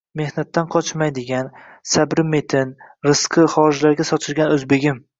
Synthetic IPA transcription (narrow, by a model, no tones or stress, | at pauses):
me̞hnat̪ʰːanqʰɒt͡ʃmajd̪ɪɡʲan | sabɾɪme̞t̪ʰɪnɾɨsqʰɨχɒɾɪd͡ʒlaɾɡʲasɒt͡ʃ̪ʰɪɾɡʲanɵzbe̞ɡʲɪm